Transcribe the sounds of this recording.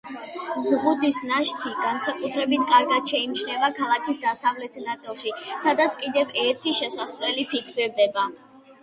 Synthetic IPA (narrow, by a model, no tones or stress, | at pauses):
zʁud̪isnaʃt̪ʰiɡansakʼut̪ʰɾɛbit̪̚ʰkʼaɾɡad̪ʃɛimt͡ʃʰnɛvakʰalˠakʰisd̪asavlɛt̪ʰnat̪sʼilˠʃisad̪at̪sʰkʼid̪ɛvɛɾt̪ʰiʃɛsasvɛlipʰikʰsɛɾd̪ɛba